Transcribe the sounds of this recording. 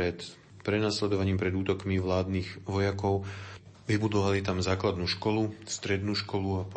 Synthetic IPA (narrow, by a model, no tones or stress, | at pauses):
ɛt̪ | pɾɛnaslɛd̪ɔʋaɲiːmpɾɛd̪uːt̪ɔkmiʋlaːd̪niːɣʋɔjakɔʊ | ʋibud̪ɔʋalit̪amzaːklad̪nuːʃkɔlust̪ɾɛd̪nuːʃkɔluap